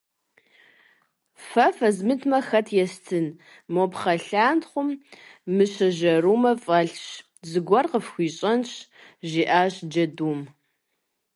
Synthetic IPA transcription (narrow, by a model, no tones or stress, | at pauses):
fɐfɐzmɨtʰmɐxɐtʰjɛstʰɨn | mopχɐɬaːntχʷʊmːɨɕɐʒɐruːmɐfʼɐɬɕ | zɨɡʷɔrqəfxʷiːɕʼɐnɕʒiːʔaːɕd͡ʒɐduːm